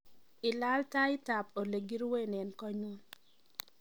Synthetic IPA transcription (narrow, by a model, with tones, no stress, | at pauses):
ɪ˨la˦lta˦ɪ˦ta˨po˨le˨ɡi˦ɾwe˦nɛ˨nkɔ˦ɲu˦n